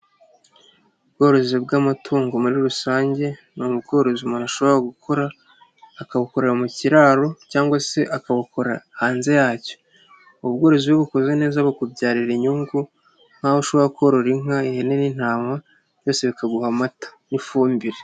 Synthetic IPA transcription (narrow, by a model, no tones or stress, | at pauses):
ubɡo̞ːɾo̞zib̚ɡamatʰuːŋɡo̞muɾiɾusaːɲɟe̞numub̚ɡo̞ːɾo̞zimunaʃo̞βoɾaɡukʰo̞ɾaː | kaβuko̞ɾeɾamuciɾaːɾo̞caːŋɡwase̞ʔakaβuko̞ɾahaːnze̞jaːco̥ | uβbɡo̞ːɾo̞ziβoβukozɡene̞ːzaβakubɟaːɾiɾiɲuŋɡu | ŋ̥hahoʃo̞βoɾakoɾoɾiŋaihene̞nin̥haːma | ɾjoːse̞βikʰaɡuhamatḁnifuːmbiɾe